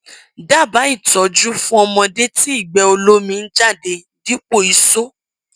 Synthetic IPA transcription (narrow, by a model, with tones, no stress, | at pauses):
da˦˨ba˨˦i˦˨tɔ˨d͡ʒu˦fũ˦ɔ˧mɔ̃˧de˦ti˦i˦˨ɡ͡bɛ˨o˧lo˦mĩ˧n̩˦d͡ʒa˦˨de˧ | di˦k͡po˦˨i˧so˦